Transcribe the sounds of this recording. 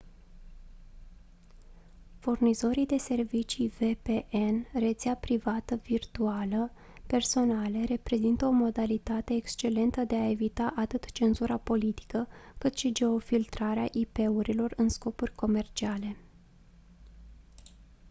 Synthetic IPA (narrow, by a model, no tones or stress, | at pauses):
furnizo̞ɾid̪e̞se̞rvit͡ʃive̞pe̞ʔenre̞t̪seapɾivat̪əvirt̪ualə | pe̞rso̞nale̞ɾe̞pɾe̞zint̪əo̞mo̞d̪alit̪at̪e̞ːkst͡ʃe̞le̞nt̪əd̪e̞ae̞vit̪aʔat̪ɨt̪t͡ʃe̞nzuɾapo̞lit̪i̥kəkɨt̪ʃid͡ʒe̞o̞filt̪ɾaɾeaʔipe̞uɾilo̞rɨnsko̞purʲko̞me̞rt͡ʃiale̞